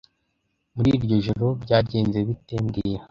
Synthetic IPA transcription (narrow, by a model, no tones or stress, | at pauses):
muɾiɾɟo̞ʒoɾo̞bɟaːɾɟeːnze̞βiteːnɡije